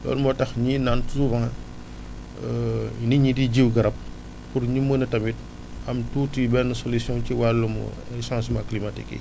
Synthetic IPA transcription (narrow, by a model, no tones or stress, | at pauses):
lɔ̰ːnmbɔtɐxɲinantsuvãŋ | niɲidiɟiwɡɐɾɐp̚ | purɲimənɐtɐmit̚ | ɐmtuːtibɛnusolusjɔ̃nciwalːumṵ | ɛsãnsmɐkːlimatḭkːḭ